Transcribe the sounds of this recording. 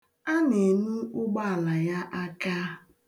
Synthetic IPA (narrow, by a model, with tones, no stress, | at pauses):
a˦ne˨nu˦ʊ˦ɡ͡ba˦a˨la˨ja˦ʔa˦ka˦